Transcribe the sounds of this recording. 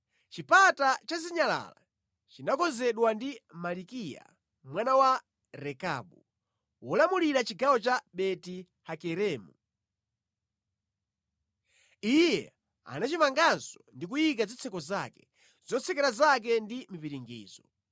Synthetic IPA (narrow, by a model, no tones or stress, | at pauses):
t͡ʃipatat͡ʃaziɲala̰la̰ | t͡ʃinakɔzɛɗwandimalikija̰ | mwanawa | ɾɛka̰ɓu | wɔlamuliɾat͡ʃiɡawɔt͡ʃaɓɛti | hakɛɾɛːmu | ijɛ̰ | a̰nat͡ʃimaŋɡansɔndik̬ujikazit͡sʰɛkɔzakɛ̥ | z̥ɔt͡sʰɛkɛɾazak̬ɛndimipiɾiŋɡḭːzɔ